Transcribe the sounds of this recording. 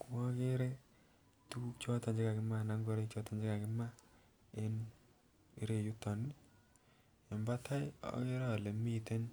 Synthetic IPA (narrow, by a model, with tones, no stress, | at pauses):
ku˦ɔ˦ke˦ɾe˦ | tu˦t͡ʃɔ˦ta˨d͡ʒɪ˦ka˨kɪ˦ma˦˨na˦ŋɡo˦ɾe˦t͡ʃɔ˦ta˨ɲd͡ʒɪ˦ka˨kɪ˦ma˦ | e˦n | i˦ɾe˨ju˦tɔ˨ni˦ | jɔ˨mba˦ta˦jɔ̰˦ke˦ɾa˦˨le˨mi˦te˦n